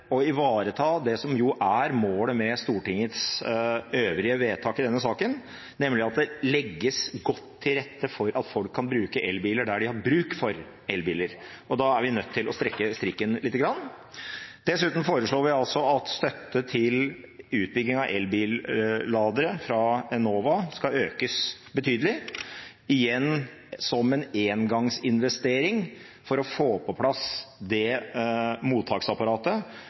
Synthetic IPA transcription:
ɔɪʋɑːɾət̪ʰɑːd̪ɛsɔmjʊʔæɾmoːləmɛst̪uːʈɪŋːət̪s | øːʋɾɪəʋeːt̪ʰɑːkɪd̪ɛnːəsɑːkən | nɛmlɪɑt̪̚d̪ɛlɛɡːəsɡɔt̪ʰːɪɾɛt̪ːəfɔɾʔɑt̪fɔlkʰːɑnbɾʉːkəʔɛlbiːləɖæɖɪhɑɾbɾʉːkfɔɾ | ɛlbiːləɾ | ɔd̪ɑæɾʋɪnœt̪ʰːɪlʔɔst̪ɾɛkːəst̪ɾɪkːənlɪːt̪ːəɡɾɑnː | d̪̥ɛsʉːt̪n̩foːɾəʂɭoːɾʋɪɑlsɔɑt̪st̪œt̪ːət̪ʰɪl | ʉːt̪̚bʏɡnɪŋɑʋʔɛlbiːllɑːd̪əɾəfɾɑɛnoːʋɑskɑøːkəsbət̪ʰyːd̪əlɪ | ɪjɛnː | sɔmɛneːnɡɑŋsɪnʋɛst̪eːɾɪŋ | fɔɾɔfoːpʰɔpʰlɑsd̪ɛ | muːt̪ʰːɑːksɑpɑɾɑːt̪ə

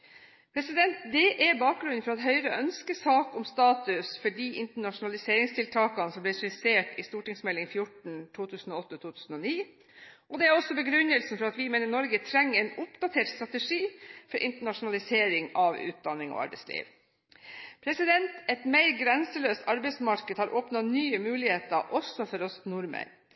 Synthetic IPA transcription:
pʰɾɛsɪd̪ɛnt̪d̪ɛʔɛbɑːk̚ɡɾʉnfɔɾɑɛt̪ɦœʏɾəɔʔœnskəsɑːkʊmst̪ɑːt̪ʉsfɔɖiʔɪnt̪əɳɑʂʊnɑlɪseːɾɪŋst̪ʰɪlt̪ʰɑːkɑnəsɔmblɛsɪseːʈɪst̪uːʈɪŋsmɛlːɪŋfjʊʈɳ̩t̪ʰuːt̪ʰʉːsn̩ɔɔt̪ːət̪ʰuːt̪ʰʉːsn̩ɔniː | ʔɔd̪ɛæɾɔsːɔbəɡɾʉnːəlsn̩fɔɾɑt̪ʋɪmeːnəɳɔɾɡət̪ʰɾɛŋːəɛɪnʊpd̪ɑt̪ʰeːʈst̪ɾɑt̪əʂiːfɔɾʔɪ̰nt̪əɳɑʂʊnɑlɪseːɾɪŋɑʋʉ̰ːt̪̚d̪ɑnːɪŋɔ̰ɑ̰ɾbɛɪslḭːʋ | pʰɾɛsɪd̪ɛnt̪ɛt̪meɪɾɡɾɛnsəløːst̪ɑɾbɛɪsmɑɾkəd̪hɑɾʔoːpnɑnyːəmʉːlɪheːt̪əʔɔsːɔfɔɾɔst̪nʊɾmə̰ɾ

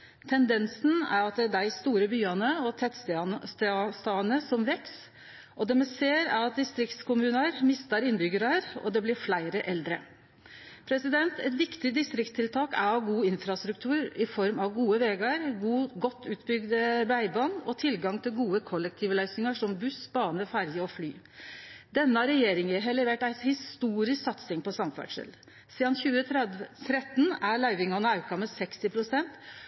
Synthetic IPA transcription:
t̪ʰɛnd̪ɛnsn̩æ̰ɾɑt̪̚d̪ɛæd̪æɪst̪uːɾəbyːɑnəɔt̪ʰɛt̪ːst̪st̪st̪ɑːnəsɔmʋɛks | ʔɔd̪ɛːmɛseːɾæ̰ɾɑt̪̚d̪ɪst̪ɾɪkt̪skʰʊmʉːnɑɾmɪst̪ɑɾɪnbʏɡəɾɑɾɔ̰d̪ɛblɪɾflæɪɾəʔɛld̪ɾə̰ | pʰɾɛsɪd̪ɛnt̪ʰɛt̪ʋɪkt̪ɪd̪ɪst̪ɾɪkst̪ʰɪlt̪ʰɑːkæ̰ɾɑʋɡuːɪnfɾɑst̪ɾʉk̚t̪ʰʉːɾɪfɔɾmɑʋɡuːəʋeːɡɑɾuːɡɔt̪ːʉːt̪bʏɡd̪əɾæɪbɑnɔt̪ʰɪlɡɑŋt̪ʰɪlɡuːəkʰɔlːɛk̚t̪ʰiːʋlœʏsnɪŋɑʂɔmbʉsbɑːnəfæɾjəɔfly̰ː | d̪ɛnːəɑɾɛjeːɾɪŋəɦɛlɛʋeːʈæɪt̪hɪst̪uːɾɪsksɑt̪sɪŋpɔsɑmfæ̰ɖʂɛ̰l | siːd̪ɑnçʉːət̪ʰɾɛt̪n̩æɭɑʏʋɪŋɑnəɑʉkɑmɛsɛkst̪ɪpʰɾʊsɛnt̪

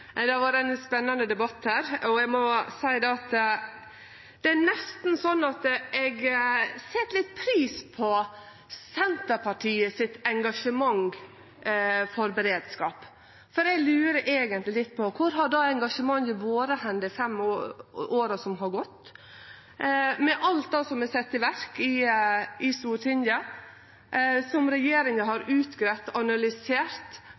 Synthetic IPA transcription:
d̪ɛʋɑɾɛnspɛnːɑnd̪əd̪ɛbɑt̪hæːɾɔɛɡmɔsæɪd̪ɛɑt̪ | d̪̥ɛænɛst̪n̩sɔnːɑt̪ɛɡsɛt̪lɪt̪̚ːpʰɾiːspʰɔ | sɛnt̪əɾpʰɑʈʰiːəsɪt̪ɛŋɡɑʂəmɑŋ | fɔɾbəɾeːd̪skɑːp | fɔɾɛɡlʉːɾəʔeːɡənt̪lɪlɪt̪ːpʰɔkʰʊɾɦɑɖɑːɛŋɡɑʂəmɑŋjəʋoːɾəhɛnd̪əfɛm | oːɾɑsɔmɦɑɾɡɔt̪ː | mɛʔɑlt̪̚d̪ɑsɔmɛsɛt̪ːɪʋæɾkɪ | ɪsuːʈʰɪnjɑ | sɔmɾɛjeːɾɪŋəɦɑɾʉːt̪ɡɾɛt̪ɑnɑlʏseːɾt̪

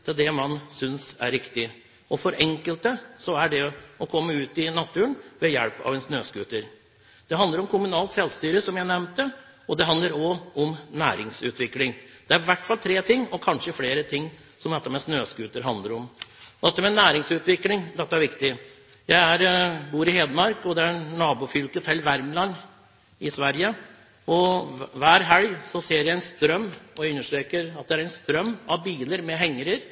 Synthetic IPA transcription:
t̪ʰɪd̪ɛmɑnsʏnsæ̰ɾːɪkt̪ɪ | ɔfɔɾɛŋkəlt̪əsɔæɖɛɔkʰɔmːəʉːt̪ɪnɑt̪ʰːʉːənʋɛjɛ̰ɽpɑ̰ʋɛnsnøːskʉːt̪əɾ | d̪̥ɛɦɑnd̪əɾɔmkʰʊmʉnɑːlt̪sɛlst̪yːɾəsɔmjæɪnɛmnt̪ːə | ɔd̪ɛɦɑnd̪ləɾɔɔmnæ̰ːɾɪŋsʉ̰ːt̪ʰʋɪklɪŋd̪̥ɛæɾɪʋæʈːfɑlt̪ʰɾeːt̪ʰɪŋːɔkʰɑnʂəfleːɾət̪ʰɪŋː | sɔmd̪ɛt̪ːəmɛsnøːskʉːt̪əɾɦɑnd̪əɾɔmd̪ɛt̪ːəmɛnæːɾɪŋsʉːt̪ʋɪklɪŋd̪ɛt̪ːəæɾʋɪkt̪ɪ | jæɪæɾbuːɾɪheːd̪əmɑɾkɔd̪ɛæɾnɑːbuːfʏlkət̪ʰɛlːʋæɾmlɑnː | ɪsʋæɾjə | ɔʋæːɾɦɛljsɔseːɾjæɪɛɪnst̪ɾœmːɔjʉnːəʂʈɾeːkəɾɑt̪̚d̪ɛæɾæɪnst̪ɾœmːɑʋbiːləɾmɛɦɛŋːəɾəɾ

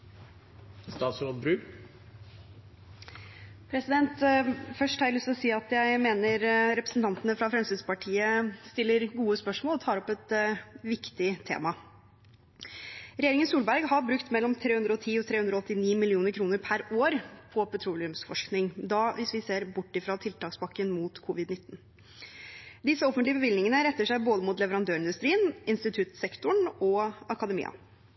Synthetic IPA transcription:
st̪ɑːt̪slobɾʉːk | pʰɾɛsɪd̪ɛnt̪fœʂʈhæɪləst̪ɔsiːɑt̪jæɪmeːnəɾɾɛpɾəsn̩t̪ʰɑnt̪ənəfɾɑfɾɛmsɪspɑʈʰiːəst̪ɪlːəɾɡuːəspœʂmoːlɔt̪ʰɑːɾɔpɛt̪ʋɪkt̪ɪt̪ʰḛːmɑ | ɾɛjeːɾɪŋənsuːlbæɾɡhɑɾbɾʉkt̪mɛlːɔmt̪ʰɾeːhʉnd̪ɾɔɔt̪ʰiːɔt̪ʰɾeːʉndɾɔɔt̪ːɪniːmɪlɪuːnəɾkʰɾuːnəɾpʰæɾoːɾpʰɔpʰɛt̪ʰɾuːlɪʉmsfɔʂknɪŋd̪ɑːʋɪsʋɪseːɾbʊʈːɪfɾɑt̪ʰɪlt̪ʰɑːksbɑkːənmuːt̪kʰʊʋɪd̪nɪt̪ːn̩ | d̪ɪsːəɔfənt̪lɪəbəʋɪlnɪŋənəɾɛt̪ːəʂæɪboːd̪əmuːt̪lɛʋəɾɑnd̪øːɾɪnd̪ʉst̪ɾiːənɪnst̪ɪt̪ʰʉt̪sɛkt̪ʊɳɔɑkɑd̪ɛmḭːɑ̰

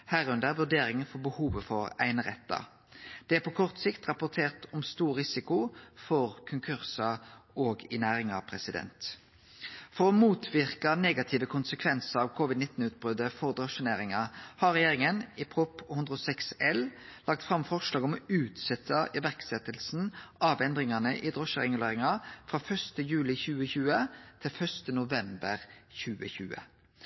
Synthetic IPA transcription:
hæːʁʉnd̪əɾʋʉʁd̪eːɾɪŋəfɔʁbəhuːʋəfɔʁæ̰ɪnəʁɛt̪ːɑ̰ | d̪̥ɛæpʰɔkʰɔʁt̪sɪkt̪ʁɑpʊʁt̪ʰeːʁt̪ɔmst̪uːʁʁɪsɪkʊfɔʁkʰʊŋkʰʉʁsɑʔoːɡɪnæːʁɪŋɑʋpʰɾɛsɪd̪ɛ̰nt̪ | fɔʁɔmuːt̪ʰʋɪʁkɑneːɡɑt̪ʰiːʋəkʰʊnsəkʰʋɛnsəʁɑʋkʰɔʋɪd̪nɪt̪n̩ʉːt̪̚bʁʉd̪əfɔʁd̪ʁɔʃəneːɾɪŋɑhɑʁɛjeːɾɪŋənɪpʰɾʊphʉnd̪ʁɾəɔsɛksɛllɑk̚t̪fʁɑmfɔʂlɑːɡɔmʉːt̪sɛt̪ʰːəʔɪʋæʁksɛt̪ːəlsn̩ɑʋɛnd̪ʁɪŋɑnəʔɪd̪ʁɔʃəʁɛŋʉleːɾɪŋɑfɾɑfœst̪əjʉːlɪçʉːəçʉːət̪ʰɪlfœʁst̪ənʊʋɛmbəʁçʉːəçʉːə̰

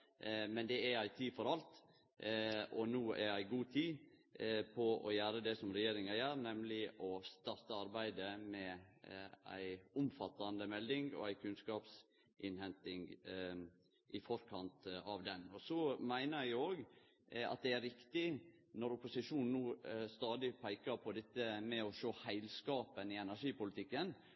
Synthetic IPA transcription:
mɛnd̪ɛææɪt̪ʰiːfɔɾɑlt̪ | ʔɔnoːæ̰ɾjæɪɡuːt̪ʰiː | pʰɔɔ̰jæːɾəd̪ɛsɔmɾɛjeːɾɪŋɑjæːɾnɛmlɪʔɔst̪ɑɾt̪əɑɾbæɪd̪əmɛ | æ̰ɪʊmfɑt̪ːɑnd̪əmɛld̪ɪŋɔ̰æɪkʰʉnskɑːps | ʔɪnhɛnt̪ɪŋ | ʔɪfɔɾkʰɑnt̪ɑʋd̪ɛnɔsɔmæɪnəɾjæɪoːɡ | ɑ̰t̪̚d̪ɛæɾɪkt̪ɪ | nɔɾʊpʊsɪʂuːnn̩uːst̪ɑːd̪ɪpʰæɪkəɾpʰɔd̪ɛt̪ːəmɛɔʃoːhæɪlskɑːpənɪɛnæɾʂiːpʊlɪt̪ʰɪkːən

